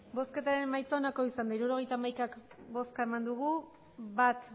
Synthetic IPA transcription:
bo̞ske̞t̪aɾe̞nmajt͡so̞nako̞isand̪aiɾuɾo̞ɣ̞e̞jt̪aːmajkakbo̞skae̞mand̪uɣu | βat̪

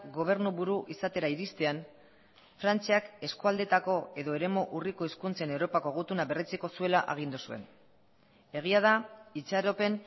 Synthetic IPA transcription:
ɣo̞β̞e̞ɾnuβuɾuʔisat̪e̞ɾaiɾist̪e̞an | fɾant͡siake̞skuald̪e̞t̪ako̞e̞ðo̞e̞ɾe̞mo̞ʔuriko̞iskunt͡se̞ne̞wɾo̞pako̞ɣ̞ut̪unaβe̞ret͡siko̞sue̞laʔaɣ̞ind̪usue̞̰n | e̞ɣ̞iaðait͡saɾo̞pe̞n

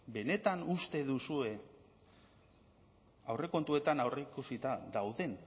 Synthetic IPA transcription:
be̞ne̞t̪anust̪e̞ðusue̞ | awre̞ko̞nt̪ue̞t̪anawreikusit̪aðawðe̞n

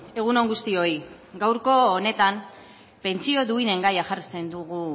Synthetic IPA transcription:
e̞ɣ̞uno̞ŋɡust̪io̞j | ɡawɾko̞ːne̞t̪am | pe̞nt͡sio̞ðuine̞ŋɡajaʝarise̞nd̪uɣu

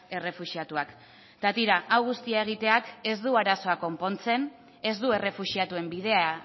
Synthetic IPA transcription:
e̞re̞fuʃiat̪uak | t̪at̪iɾaʔawɣ̞ust̪iae̞ɣ̞it̪e̞ake̞zd̪uaɾaso̞ako̞mpo̞nt͡se̞n | e̞zd̪ue̞re̞fuʃiat̪ue̞mbiðe̞a

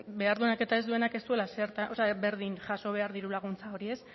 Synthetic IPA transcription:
be̞aɾðunake̞t̪aezd̪ue̞nakest̪ue̞laseɾt̪aoseabe̞ɾð̞inʝaso̞β̞e̞aɾðiɾulaɣ̞unt͡sao̞ɾie̞s

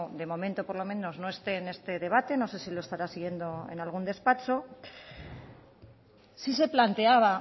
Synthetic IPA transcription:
d̪e̞mo̞mẽ̞nt̪o̞po̞ɾlo̞mẽ̞no̞zno̞e̞st̪e̞ːne̞st̪e̞ðe̞β̞at̪e̞no̞se̞silo̞e̞st̪aɾasiɣje̞nd̪o̞e̞̰nalɣ̞und̪e̞spat͡ʃo̞ | sis̬e̞plant̪e̞aβ̞a

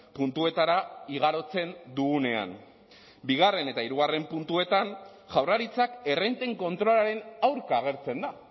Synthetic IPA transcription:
punt̪ue̞t̪aɾaiɣaɾo̞t͡se̞nd̪uɣune̞a̰n | biɣ̞are̞ne̞t̪aiɾuɣ̞are̞mpunt̪ue̞t̪an | ʝawraɾit͡sake̞rent̪e̞ŋko̞nt̪ɾo̞laɾe̞nawɾkaːɣ̞e̞ɾt͡se̞nd̪a

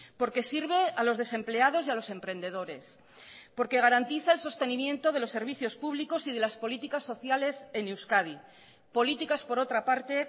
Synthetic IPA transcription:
po̞ɾke̞siɾβ̞e̞alo̞zðe̞se̞mple̞að̞o̞sjalo̞se̞mpɾe̞nd̪e̞ðo̞ɾe̞s | po̞ɾke̞ɣ̞aɾant̪iθaelso̞st̪e̞nĩmjẽ̞nt̪o̞ð̞e̞lo̞sːe̞ɾβ̞iθjo̞spuβliko̞sið̞e̞laspo̞lit̪ikasːo̞θjale̞se̞newskaði | po̞lit̪ikaspo̞ɾo̞t̪ɾapaɾt̪e̞

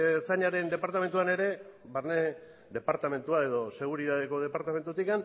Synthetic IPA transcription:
saɲaɾe̞nd̪e̞paɾt̪ame̞nt̪uane̞ɾe̞βaɾne | ðe̞paɾt̪ame̞nt̪uae̞ðo̞se̞ɣ̞uɾiðaðe̞ko̞ð̞e̞paɾt̪ame̞nt̪ut̪ikan

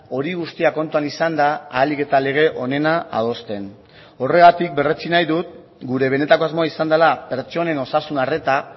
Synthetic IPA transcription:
o̞ɾiɣ̞ust̪iako̞nt̪uanisand̪aːlike̞t̪ale̞ɣ̞e̞ʔo̞ne̞naa̰ð̞o̞st̪e̞n | o̞re̞ɣat̪ik̚be̞ret͡sinajðut̪̚ | ɡuɾe̞β̞e̞ne̞t̪ako̞azmo̞aisand̪alape̞ɾt͡ʃo̞ne̞no̞sasunare̞t̪a

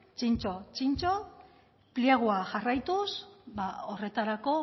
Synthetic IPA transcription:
t͡ʃint͡ʃo̞t͡ʃint͡ʃo̞ | pliaɣ̞uaʝarajt̪usbaore̞t̪aɾako̞

